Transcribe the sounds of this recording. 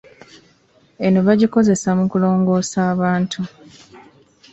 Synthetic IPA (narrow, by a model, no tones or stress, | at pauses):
e̞no̞βaɟiko̞ze̞samukulo̞ːŋɡo̞ːsaːβaːntʰu